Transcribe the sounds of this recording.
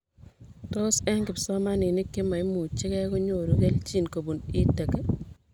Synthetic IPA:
to˦sɛ˦ŋkɪ˨psɔ˦ma˦nɪ˨nɪ˦kːɪ˦ma˨i˦mu˨t͡ʃɪ˦kɛ˦ko˦ɲo˨ɾo˨ke˦lt͡ʃi˦˨nko˨bu˨nɪ˦te˨ke˦

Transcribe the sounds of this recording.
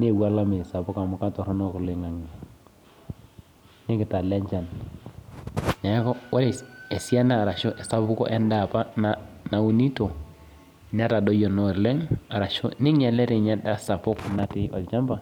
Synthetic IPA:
nː˦˨ɡa˦la˦mi˨sa˨pu˦ka˨mu˨ka˦to˨ɾɔ˦no˦kli˨ŋa˨ŋi˨ | ni˦kɪ˨ta˨le˦ɲt͡ʃa˨n | ɲa˨˦kɔ˦wʔa˦le˨e˨si˦a˦na˦˨ɾa˨ʃo˦ʔe˨sa˨˦bu˦ko̰˦ʔɛ˦nda˨pa˦na˨na˨wu˨ni˦to˨ | n˦a˦ta˨do˦jo˨nɔ˦˨ɾle˦ŋa˨ɾa˨ʃo̰˦ni˦ɲe˨le˦ɾi˨ɲa˦da˦sa˨pu˦kna˦ti˦ɔ˨lt͡ʃa˦mba˨

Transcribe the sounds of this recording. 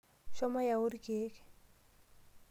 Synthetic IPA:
ʃɔ˦ma˦ja˨u˦ɾi˦kʼeː˦kɪ̥˨

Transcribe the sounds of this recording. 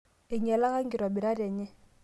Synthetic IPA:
ɪ˨ɲɛ˨la˦ka˦ŋ̩ɡɪ˨ɾwa˨bɪ˨ɾa˦dɛː˨ɲɛ˦

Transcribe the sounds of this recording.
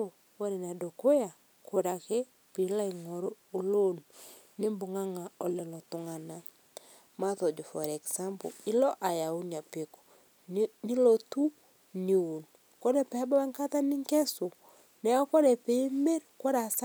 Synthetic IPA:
wo˦ɾe˨na˨do˨ko˦ja˨ | ko˨ɾa˨ke˦ | pi˨˦la˦i˨ŋɔ˨ɾoː˦˨lo˦n | nɪ˦mbʊ˨ŋa˦ŋa˨ɔ˨lɛ˨lɔ˨tʊ˨ŋa˨na˨ | ma˦tɔ˨d͡ʒo˨fɔ˨ɾɛ˨ksa˦mbo̰˨ɪ˦lɔ˦ʔa˨ja˨u˦n˨a˨pi˨ko̥˨ | nɪ˦lɔ˨tu˦ | ni˨wu˨n | ko˦ɾɛ˨pɛ˨a˦ba˦ba˦ŋka˦ta˦nɪ˦ŋkɛ˦so˨ | nɛ˨˦ɔ˦kɔ˦ɾɛ˨pe˨i˦mɛ˦ɾkɔ˦ɾa˨s

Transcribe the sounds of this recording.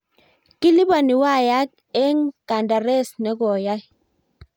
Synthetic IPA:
ki˦li˦ba˨ni˨wa˦˨ja˦k̚ | ɛ˦ŋka˨nda˨ɾe˦˨snɛ˨˦kɔ˨ja˦j

